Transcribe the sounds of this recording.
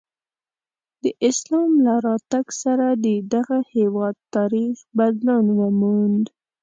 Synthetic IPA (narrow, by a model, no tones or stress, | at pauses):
d̪̥əʔɪslɑmlaɾɑt̪aɡsaɾad̪əd̪aɣahewɑd̪̚t̪ɑɾixbad̪lɑnwəmund̪